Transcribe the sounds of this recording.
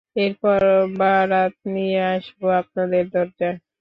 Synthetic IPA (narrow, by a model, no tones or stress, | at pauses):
eɾpɔɾbaɾat̪̚nijeaʃboap̚nad̪eɾd̪ɔɾd͡ʒa